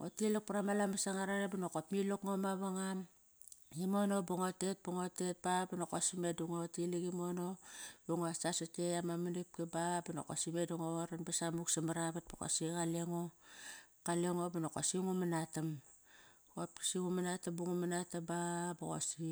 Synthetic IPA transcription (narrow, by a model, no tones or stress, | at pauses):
otilik̚puɾamalamasaŋaɾanebanokopmilokŋomaβaŋam | imonobuŋote̞t̚buŋotet̚babanokosimeduŋotilikimonobuŋoasasateamamanip̚kebabano̰ko̰simeduŋoaɾanbasamuksamaɾaβat̚bako̰sikaleŋo | kaleŋobanoko̰siŋumanatam | kop̚ki̥siŋumanatambuŋumanatababoko̰si